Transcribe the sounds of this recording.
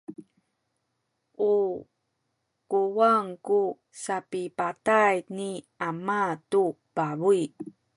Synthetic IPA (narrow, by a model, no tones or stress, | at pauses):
ʔu | kuwaŋku | sapipatajni | amatu | baβui